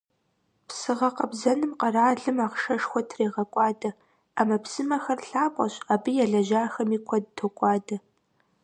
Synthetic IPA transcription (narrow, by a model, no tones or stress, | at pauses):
psɨʁɐqɐbzɐnɨmqɐraːɮɨmaːʁʂɐʂxʷɔtʰreːʁɐkʷʼɑːdɐ | aːmɐpsɨmɐxɐrɬaːpʷʼɐ̰ɕaːbijɛɮɐʒaːxɐmiːkʷʰɐd̚tʰokʷʼɑːdɐ